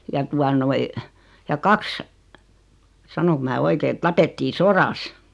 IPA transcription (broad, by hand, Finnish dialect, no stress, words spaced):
jɑ tuɑ noi jɑ kɑks sɑnoŋk mæː oike et tɑpetːiː sorɑs